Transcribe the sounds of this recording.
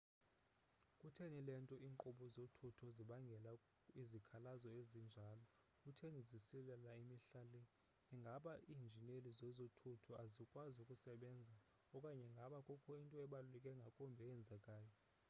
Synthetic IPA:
kʼutʰenilɛntʼɔʔiːŋǃuɓɔzotʰutʰɔziɓaŋɡʱɛla | izikʰalazɔezind͡ʒʱaːlɔ | kʼutʰenizisilɛlaimiɬalɛː | ŋɡʱaɓaʔiːnd͡ʒʱinelizɛzotʰutʰɔazikʼwazukʼusɛɓɛnd͡zʱa | ɔkʼaɲɛŋɡʱaɓakʼɔkʰɔintʼɔɛɓalulɛkʼɛŋɡʱakʼɔmbʱɛɛnd͡zʱɛkʼaːjɔ

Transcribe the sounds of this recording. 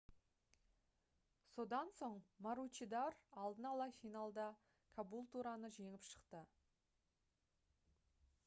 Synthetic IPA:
so̞d̪ɑnso̞ɴmaɾut͡ʃid̪ɑɾɑlˠd̪ənɑlˠɑfʲijnalˠd̪ɑ | kʰabulˠt̪uɾɑnəʒe̞ŋɪpʃə̥qt̪ə

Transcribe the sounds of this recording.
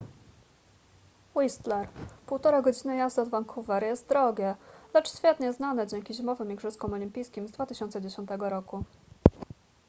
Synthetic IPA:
wist̪lɛɾpuwt̪ɔɾaɡɔd͡ʑinɘjazd̪ɔd̪vaŋkʰuvɛɾjɛst̪̚d̪ɾɔɡʲɛlɛt͡ʂɕfʲjɛt̪ɲɛznanɛd͡ʑɛŋkʲiʑimɔvɘmiɡʐɘskɔ̃mɔlʲimʲpʲijskʲimzd̪vat̪ɘɕɔnt̪sɛd͡ʑeɕɔnt̪ɛɡɔɾɔku

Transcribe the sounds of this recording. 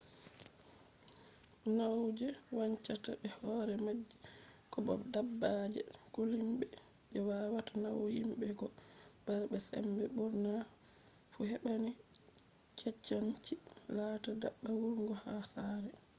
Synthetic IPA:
nawd͡ʒɛwaɲt͡ʃatabɛhɔɾɛmad͡ʒːikɔbɔ̰dabːad͡ʒɛ̰ɡolimɓɛ | ʔɛwaːwatanawjimbɛɡɔb̥aɾbɛsɛ̰mbɛbuɾna | fuhɛɓani | t͡ʃʰɛt͡ʃːaɲt͡ʃilaːtada̰ɓːawuɾŋɡɔhasaːɾɛ

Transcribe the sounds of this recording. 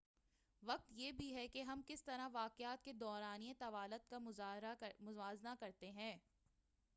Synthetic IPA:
ʋɐq̚t̪jeːbʱiɦɛkeɦɐmkɪst̪ɐɾaʋaːqɪjaːt̪ked̪ɔːɾaːniet̪ɐʋaːlət̪kaaɦɾamʊzʋaːznakɐɾt̪eɦɛ̃ː

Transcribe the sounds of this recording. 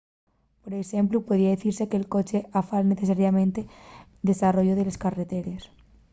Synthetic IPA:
poɾesemplupweð̞iaðeθiɾsekeːlko̞t͡ʃeʔafalneθesaɾjamẽnt̪e | d̪e̞saroʝoðeleskaret̪eɾes

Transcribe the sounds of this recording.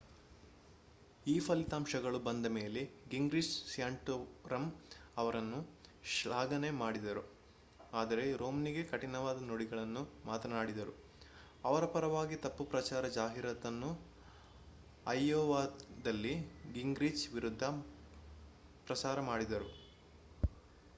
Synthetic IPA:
iːpʰɐlit̪aːmʃɐɡɐɭubɐnd̪ɐme̞ːle̞ɡiŋɡɾiːd͡ʒsjaːɳʈoɾɐmɐʋɐɾɐnːuʃɭaːɡɐne̞maːɽid̪ɐɾu | aːd̪ɐɾe̞ɾoːmniɡe̞kɐʈinɐʋaːd̪ɐnoɽiɡɐɭɐnːumaːt̪ɐnaːɽid̪ɐɾu | ɐʋɐɾɐpɐɾɐʋaːɡit̪ɐpːupɾɐt͡ʃaːɾɐd͡ʒaːɦiɾɐt̪ɐnːu | ɐjːoːʋaːd̪ɐlːiɡiŋɡɾid͡ʒʋiɾud̪ʱːɐ | pɾɐsaːɾɐmaːɽid̪ɐɾu

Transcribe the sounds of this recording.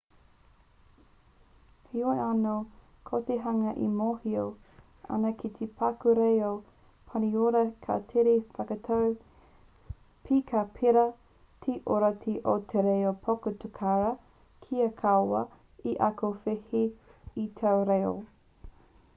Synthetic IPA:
hioeano | kʰot̪eɦɐŋɐʔḭmohio | ʔɐ̰nɐkʰit̪ʰepʰakuɾejo | pʰɐnioɾɐkʰa̰tʰeɾefɐkɐtʰɐw | pʰikʰapʰeɾɐ | t̪ʰeʔoɾatʰiʔot̪ʰeɾejopʰokot̪ʰukʰaɾɐ | kʰiɐkʰaoɐ | iʔɐkofeheitʰɐwɾejo̰

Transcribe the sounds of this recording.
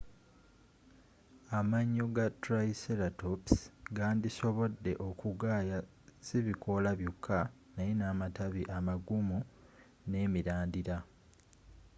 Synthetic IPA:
amaɲːoɡatɾaiseɾatopsɡaːndiso̞βo̞dːe̞̰ʔo̞kuɡaːja | siβikʰo̞laβjokʰːa | najenaːmataβiʔamaɡumu | ne̞ːmiɾaːndiɾa

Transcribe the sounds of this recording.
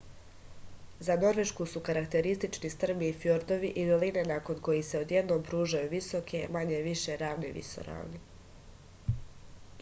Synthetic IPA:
zano̞ɾʋe̞ʃkusukaɾakt̪e̞ɾist̪it͡ʃnist̪r̩biːfjoɾd̪o̞ʋiʔililine̞nako̞nko̞jise̞o̞d̪je̞d̪no̞ːmpɾuːʒajuʋiso̞kʰe̞maɲeʋiʃe̞ɾaːʋneʋḭso̰ɾa̰ːʋni

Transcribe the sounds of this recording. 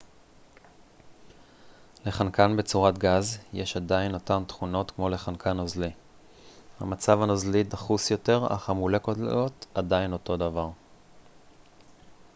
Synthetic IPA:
le̞χankanbet͡suʁatɡazjeʃadaino̞tamt̪χuno̞tkmo̞le̞χankʰanozli | ha̰mat͡savanozlidaχusjo̞te̞ʁa̰χamule̞kototadaino̞to̞davaʁ

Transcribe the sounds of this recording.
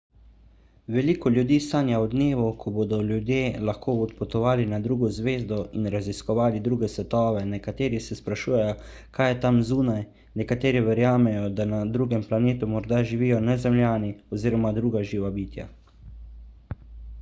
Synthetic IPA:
ʋɛliːkɔlʲjud̪iːsaːnjaɔd̪neːʋukʰɔbod̪ɔlʲjud̪jeːlaxkoːɔt̪pɔt̪ɔʋaːlinad̪ɾuːɡɔzʋeːzd̪ɔinɾaziskɔʋaːlid̪ɾuːɡɛsʋɛt̪ɔːʋɛnɛkat̪eːɾisɛspɾaʃuːjɛjɔ | kʰaːjɛt̪amzuːnaj | nɛkat̪eːɾiʋɛɾjaːmɛjɔd̪anad̪ɾuːɡɛmplaneːt̪umɔɾd̪aʒiʋiːjɔnɛzɛmljaːniɔziːɾɔmad̪ɾuːɡaʒiːʋabiːt̪ja̰

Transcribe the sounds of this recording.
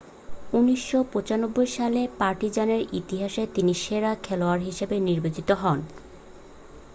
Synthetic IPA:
unːiʃːopot͡ɕanobːojʃalepaɾʈid͡ʑaneɾit̪iɦaʃet̪iniʃeɾakʰɛloaɾɦiʃebeniɾbod͡ʑit̪oɦɔn

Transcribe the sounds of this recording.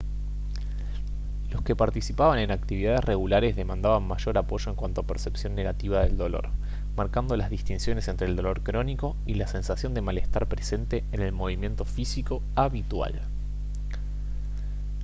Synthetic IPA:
lo̞ske̞paɾt̪isipaβane̞nak̚t̪iβiðaðesre̞ɣulaɾe̞zðe̞mãnd̪aβanmaʒo̞ɾapo̞ʒo̞eŋkwant̪oapeɾse̞psjo̞nːe̞ɣat̪iβaðe̞ld̪o̞lo̞̰ɾ | maɾkand̪o̞lazðist̪insjo̞ne̞se̞nt̪ɾeːld̪o̞lo̞ɾkɾo̞niko̞ | ilase̞nsasjo̞nd̪e̞male̞st̪aɾpɾese̞nt̪e̞ːne̞lmo̞βimje̞nt̪o̞fisiko̞ | aβit̪wa̰l

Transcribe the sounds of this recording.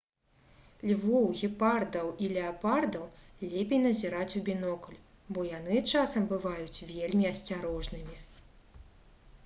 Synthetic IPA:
lʲvɔwɣʲipard̪ɐwilʲɛapard̪ɐwlʲɛpʲejnɐzʲiɾat͡sʲubʲinɔkɐlʲ | bɔjanɨt͡ʂasɐmbɨvajut͡sʲvʲelʲmʲiɐsʲt͡sʲaɾɔʐnɨmʲi

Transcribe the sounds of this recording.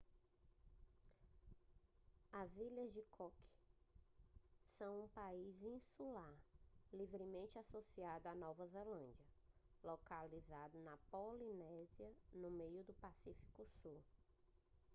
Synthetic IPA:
ɐziʎɐzd͡ʒɪkʰɔkɪ̥ | sɐ̃w̃ũpaizĩsulaɾlivɾɪmẽnt͡ʃɪasosiad̪ʊanɔvɐzelɐ̃d͡ʒiɐ | lokalizad̪ʊnɐpolinɛziɐnʊmejʊd̪ʊpasifi̥kʊsu

